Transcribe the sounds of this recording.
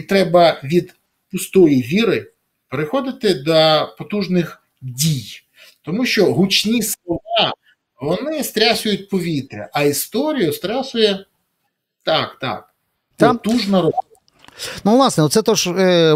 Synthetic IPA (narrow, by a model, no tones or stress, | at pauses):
it̪ɾɛbɐʋʲid̪ | pʊst̪ɔjijʋʲiɾɪ | peɾɪxɔd̪ɪt̪ɪd̪ɐpɔt̪uʒnɪx | dʲij | t̪ɔmuʃt͡ʃɔɦʊt͡ʃnʲislˠɔʋɑ | ʋɔnɪst̪ɾʲasʲʊjʊt̚ʲpɔʋʲit̪ɾʲɐ̰ʔɐist̪ɔɾʲijʊst̪ɾasʲʊjɛ | t̪ɑkt̪ɑ̰k̚ | ɔt̪uʒnɐɾɔsɔ | nuʋlˠɑsnɛt̪sɛt̪ɔʒ